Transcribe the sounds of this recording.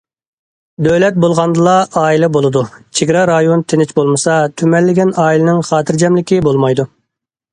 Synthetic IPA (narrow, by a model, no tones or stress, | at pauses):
d̪øwlɛt̪̚bolˠʁɑnd̪ɨlˠɑɑːilˠɛbolˠɨd̪ut͡ʃʰeɡʲɾɑɾɑjont̪ʰenɪt͡ʃbolˠmɨsɑt̪ʰymɛlːɪɡʲɛnɑːilɪnɪŋχɑːt̪ʰɨɾd͡ʒɛmlɪkʲibolˠmɑjd̪u